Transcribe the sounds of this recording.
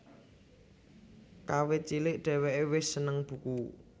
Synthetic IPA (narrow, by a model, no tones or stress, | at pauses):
kawɪt͡ʃilɪʔɖ̥ɛ̤wɛʔewɪsənəŋb̥ṳku